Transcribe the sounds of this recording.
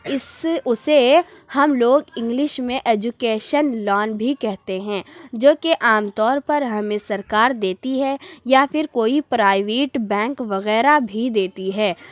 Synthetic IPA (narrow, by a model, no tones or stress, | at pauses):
ɪsʊse | hɐmloːɡɪ̃ŋɡlɪʃmẽʔeːd͡ʒukeːʃənlɔːnbʱikɛɦt̪eɦɛ̃ːd͡ʒoːkeʔaːmt̪ɔːɾpɐɾɦɐmẽsɐɾkaːɾd̪eːt̪iɦɛjafɪɾkoːipɾaːɪʋeːʈbɛ̃ːŋkʋɐɣɛːɾabʱid̪eːt̪iɦɛː